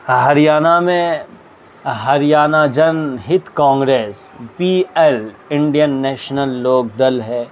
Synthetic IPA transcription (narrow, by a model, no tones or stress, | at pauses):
ɦɐɾijaːnamẽ | ɦɐɾijaːnad͡ʒɐnɦɪt̪kãːŋɡɾeːspiːɛl | ɪ̃ɳɖijənːɛːʃnəlːoːɡ̚d̪ɐlɦɛː